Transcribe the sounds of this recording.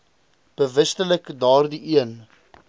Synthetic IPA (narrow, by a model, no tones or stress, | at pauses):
b̥əvəstələkdɑːrdiʔiən